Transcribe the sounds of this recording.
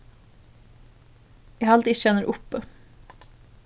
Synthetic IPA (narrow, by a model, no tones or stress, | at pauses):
jæhɑɑlt̪ɪçɛnəɾʔʊpə